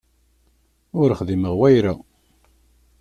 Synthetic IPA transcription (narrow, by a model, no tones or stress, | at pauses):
ʊɾəχðiməʁwæjɾa